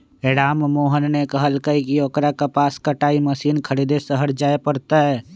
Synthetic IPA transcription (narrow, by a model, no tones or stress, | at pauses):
eːɽaːmmoːɦənnekəɦəlkəikioːkɾakapaːskəʈaːiməsiːnkʰəɾid̪esəɦəɾd͡ʒaːepəɾt̪aɦɛː